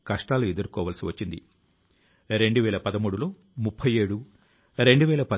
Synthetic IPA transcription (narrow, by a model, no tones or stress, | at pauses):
kɐʂʈaːlued̪ɐɾukɔːʋɐːlsiʋɐt͡ʃːind̪ḭ | ɾe̞ɳɖuʋɛːlɐpɐd̪ɐmuːɽulo̞ː | mupʰːɐje̞ːɽu | ɾe̞ɳɖuʋɛːlɐpɐ